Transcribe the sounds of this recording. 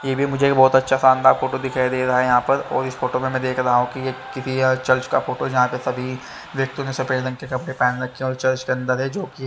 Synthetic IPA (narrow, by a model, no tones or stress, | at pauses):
jeːbʱimʊd͡ʒʱekbɔːt̪ɐtːʃʰasãːnd̪afoːʈod̪ɪkʰaːid̪eːɾɐɦaɛjɐɦãpɐɾɔːɾɪsfoːʈomẽmɛ̃ːd̪eːkʰɾɐɦaɦũkijekɪsit͡ʃɐɾt͡ʃkafoːʈod͡ʒɐɦãpesɐbʱi | ʋjɐk̚t̪õnẽsɐpeːɾd̪ɐ̃ŋkekɐpɽepɛːnɾɐkʰːeɔːɾt͡ʃɐɾt͡ʃkeɐ̃nd̪əɾɦɛd͡ʒoːki